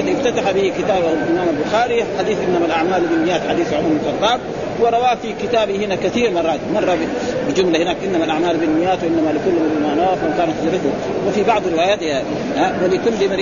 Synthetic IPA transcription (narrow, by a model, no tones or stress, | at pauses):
d̪ʔɪft̪at̪aħabɪhikɪt̪aːbʔabɪnaːmalbʊxaːɾiħad̪iːθʔɪnːamalʔaʕmaːlbinmɪjːaːt̪ħad̪iːθwʕʊmmmʊfɑlt̪ˤɑːt̪ | wɪɾˤɑwaːfikɪt̪aːbihɪnakaθiːɾmɑrˤːɑːt̪̚mɑrˤːɑb | bɪd͡ʒʊmlahɪnaːkʔɪnːamalʔaʕmaːlbɪmɪjːaːt̪wʔɪnːamalikʊlːmɪlmanawaːfawkaːnat̪d͡ʒɾɪθʊ | wɪfibɑʕd̪ˤɾɪwaːjaːt̪ja | nawɪlikuːnlimaɾ